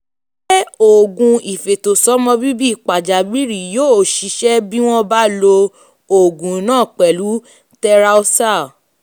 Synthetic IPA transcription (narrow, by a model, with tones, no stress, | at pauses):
be˦o˨ɡũ˧i˨fe˨to˨sɔ˨˦mɔ̃˧bi˦bi˦˨k͡pa˨d͡ʒa˨bi˦ɾi˨joː˦˨ʃi˨˧˦ʃɛ˦bi˦w̃ɔ̃˦ba˦lo˧ | o˨ɡũ˨˦nãː˦˨k͡pɛ˨lu˨˦ | tɛ˧ɾa˦o˦sa˦˨